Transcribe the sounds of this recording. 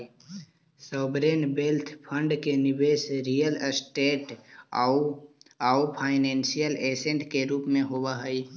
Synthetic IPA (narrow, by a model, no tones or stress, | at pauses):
sɔːbɾeːnbelt̪ʰpʰə̃ɳɖkenɪbeːsɾijəlsʈeːʈ | aupʰaːɪnẽːnsijəleːsẽɳʈkeɾuːpmẽɦoːwaɦəi